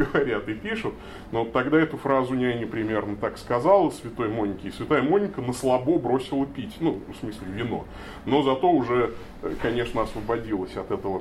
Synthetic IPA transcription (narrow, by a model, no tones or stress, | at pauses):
ɡəvɐɾʲat̪ɨpʲiʂʊt̪ | not̪ːɐɡd̪aɛt̪ʊfɾazʊnʲɪanʲɪpɾʲɪmʲe̞rnət̪akskɐzalˠəsvʲɪt̪o̞jmo̞nʲːɪkʲɪsvʲɪt̪ajəmonʲːɪkənəslˠɐbobɾo̞sʲɪlˠəpʲitʲnufsmɨsʲlʲɪvʲɪno̞̰ | no̞zɐt̪o̞ʊʐɛ | kɐnʲe̞ʂnəɐsvəbɐdʲilˠəsʲɐt̪ɛt̪əvə